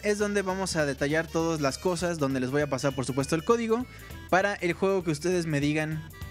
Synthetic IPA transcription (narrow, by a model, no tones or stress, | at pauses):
e̞zðo̞nd̪e̞βamo̞saðe̞t̪aʝaɾt̪o̞ðazlasko̞s̬azðo̞nd̪e̞le̞zβo̞japasaɾpo̞ɾsupwe̞s̬t̪oelko̞ðiɣo̞ | paɾaʔe̞lxwe̞ɣo̞keust̪e̞ðe̞zme̞ðiɣan